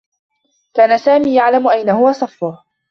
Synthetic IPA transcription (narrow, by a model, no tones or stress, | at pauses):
kaːnasaːmiːjaʕlamʊʔajnahʊwasˤɑfːʊ